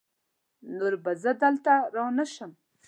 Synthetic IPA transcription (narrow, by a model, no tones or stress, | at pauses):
noɾbazəd̪əlt̪aɾɑwnəʃəm